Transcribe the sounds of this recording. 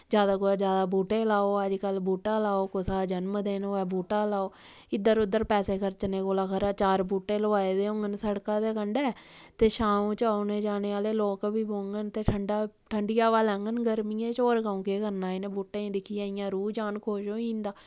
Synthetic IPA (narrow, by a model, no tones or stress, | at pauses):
d͡ʒjaːd̪aːkoːaːd͡ʒjaːd̪aːbuːʈeːlaːoːəd͡ʒkəlbuːʈaːlaːoːkʊsaːd͡ʒənməd̪eːnoːɛːbuːʈaːlaːoː | ɪd̪əɾʊd̪əɾpɛːseːkəɾt͡ʃəneːkoːlaːkʰəɾaːt͡ʃaːɾbuːʈːeːləʋaːeːd̪eːõŋɡənsəɽkaːt̪eːkəɳɖɛːt̪eːʃaːũːt͡ʃaːoːneːd͡ʒaːneːaːleːloːkbiːboːŋɡənt̪eːʈʰəɳɖaː | ʈʰəɳɖɪjaːʋaːlɛ̃ːŋɡənɡəɾmiːẽːt͡ʃoːɾkaːũːkeːkəɾnaːinẽːbuːʈẽːd̪ɪkʰijãːɪjãːɾuːd͡ʒaːnkʰoːʃoːĩːnd̪aː